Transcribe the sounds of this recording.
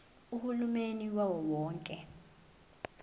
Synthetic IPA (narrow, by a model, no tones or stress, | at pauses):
uhulumeniwawɔwɔːŋkʼɛ